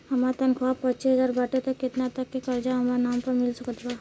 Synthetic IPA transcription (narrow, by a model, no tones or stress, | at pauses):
hɐmat̪ɐnkʰapɐtːt͡ʃisəzaːɾbəʈet̪okːɪt̪nat̪ɐkːekɐɾd͡ʒaɦɐmɾanaːmpɐɾmɪlsɐkət̪ʰbaː